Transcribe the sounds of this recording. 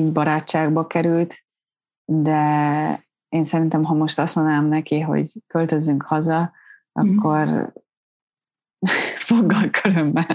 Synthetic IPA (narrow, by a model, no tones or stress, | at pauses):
iːɟbɒɾaːt͡ʃːaːɡbɒkɛɾylt̪ | d̪ɛ | eːnsɛɾint̪ɛmɦɒmo̞ʃt̪ɒsonaːmnɛkiɦo̰ɟkølt̪ø̞zːyŋkhɒzɒ | ɒ̰kːo̞r | foɡːɒlkʰøɾømːɛl